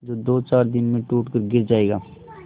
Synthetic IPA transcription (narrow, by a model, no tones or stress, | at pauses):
d͡ʒoːd̪oːt͡ʃaːɾd̪ɪnmẽʈuːʈkəɾɡɪɾd͡ʒaːeːɡaː